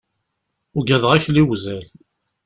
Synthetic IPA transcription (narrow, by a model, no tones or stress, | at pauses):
ʊɡæðʁæçliwzæl